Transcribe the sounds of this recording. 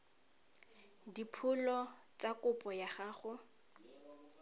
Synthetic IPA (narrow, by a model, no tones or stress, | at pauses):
dipʰʊlɔ | t͡sakʊpʼɔjaχaːχʊ